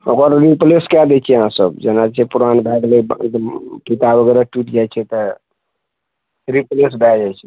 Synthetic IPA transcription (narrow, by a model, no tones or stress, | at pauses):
okəɾɾipleskad̪ɛt͡ʃʰɛəɦãsəbd͡ʒenat͡ʃʰɛpuɾanbʱɛɡlḛd̪mkit̪aboɡɛɾaʈiʈd͡ʒajt͡ʃʰɛt̪ɔ | ɾiples̬bʱɛd͡ʒajt͡ʃʰɛ